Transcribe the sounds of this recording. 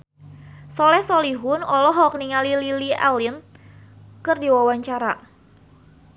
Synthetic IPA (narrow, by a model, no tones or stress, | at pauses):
sɔlɛhsɔliɦʊnɔlɔɦɔk̚niŋalililiɛ̰lin | kɨrdiwawaɲt͡ʃaɾa